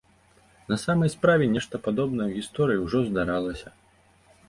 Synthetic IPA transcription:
nɐsamɐjspɾavʲɛnʲɛʂt̪ɐpad̪ɔbn̪ɐjwɣʲist̪ɔɾɨjiwʐɔzd̪aɾalˠɐsʲɐ

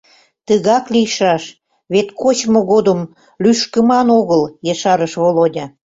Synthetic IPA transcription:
t̪əɣɑkliʃɑʃ | βet̪kot͡ɕmoɣod̪əm | lyʃkə̆mɑnoɣəljeʃɑɾəʃβolodʲɑ

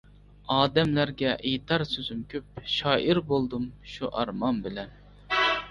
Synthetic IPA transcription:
ɑːd̪ɛmlæɾɡʲɛʔejt̪ʰɑɾsøzymkʲʰøp̚ʃɑːʔiɾbolˠd̪ɨmʃuʔɑɾmɑnbɪlɛn

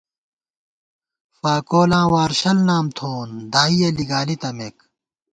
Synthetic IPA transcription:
faːkoːlãːwaːɾɕɐlnaːmt̪ʰoːnd̪ʱaːijeliɡaːlit̪ɐmek

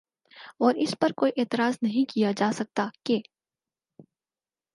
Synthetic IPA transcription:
ɔːɾɪspɐɾkoːiʔeːt̪ɪɾaːznɐɦĩkijad͡ʒaːsɐk̚t̪ake

